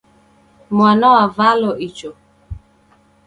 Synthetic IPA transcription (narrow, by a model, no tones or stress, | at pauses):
mwanɔwavalɔʔit͡ʃɔ